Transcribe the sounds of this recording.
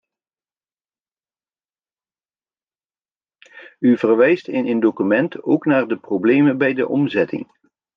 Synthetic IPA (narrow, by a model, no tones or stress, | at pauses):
yvərʋɛjstɪnəndokymɛnto̰wknaːɹdəproblejmənbɛjdə̰ʔɔmzɛtɪ̰ŋ